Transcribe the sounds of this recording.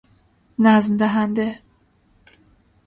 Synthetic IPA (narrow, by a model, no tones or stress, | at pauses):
næzmd̪æɦænd̪e